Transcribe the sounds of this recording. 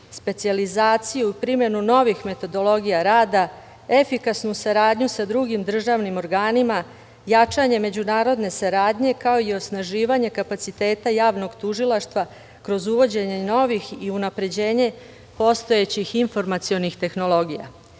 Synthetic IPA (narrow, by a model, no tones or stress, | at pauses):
spe̞t̪sializaːt̪sijuipɾime̞nuno̞ʋixme̞t̪o̞d̪o̞lo̞ɡijaɾaːd̪a | e̞fikasnusaɾaːd̪ɲusad̪ɾuɡimd̪r̩ʒaʋnimo̞ɾɡaːnima | jat͡ʂaɲe̞me̞d͡ʑunaːɾo̞d̪ne̞saɾaːd̪ɲe̞kao̞io̞snaʒiːʋaɲe̞kapat̪sit̪e̞ːt̪ajaːʋno̞ɡt̪uʒilˠaʃt̪ʋa | kɾo̞zuʋo̞d͡ʑe̞ɲe̞no̞ʋixiunapɾe̞d͡ʑe̞ːɲe̞ | po̞st̪o̞e̞t͡ɕixiɱfo̞ɾmat̪sio̞nixt̪e̞xno̞lˠo̞ɡija̰